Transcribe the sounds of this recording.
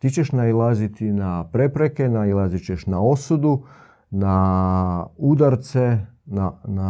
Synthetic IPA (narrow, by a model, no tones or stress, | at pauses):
t̪it͡ɕe̞ʃnailˠazit̪inapɾe̞pɾe̞ke̞nailˠazit͡ɕeʃnao̞sud̪u | na | ud̪aɾt̪se̞nana